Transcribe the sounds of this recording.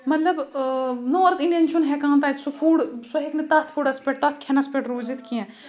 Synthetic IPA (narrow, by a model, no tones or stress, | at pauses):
mɐt̪lɐbnoːɾt̪ĩɳʈenʃʰunɦɛkãːnt̪̬aːsufuːɽsuɦeknet̪ɐt̪ʰfuːɽɐspeʈ̚t̪ɐt̪̚ʰkʰɛnaspeʈɾoːzit̪kiɛ̃